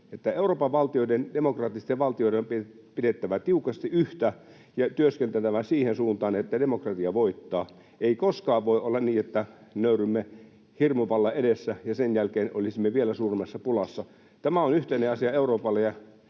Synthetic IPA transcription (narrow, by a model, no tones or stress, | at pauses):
et̪ːæeuroːpɑʋʋɑlt̪ioidend̥emokrɑt̪ːˑist̪eʋʋɑlt̪ioĭeompi | pidet̪ːæʋæt̪iukɑst̪iʔyht̪æ | jɑt̪yøskent̪æt̪æʋæsiːhensuːnt̪ɑːnet̪ːædemokrɑt̪iɑʋoit̪ːɑː | eikoskɑːʋʋoiʔolːɑnniːet̪ːænøyrymːe | hirmuʋɑlːɑedesːæjɑsenjælkeːno̰lisimːeʋielæsuːrimːɑsːɑpulɑsːɑ | t̪æmæonyht̪eneɑsiɑeuroːpɑlːejɑ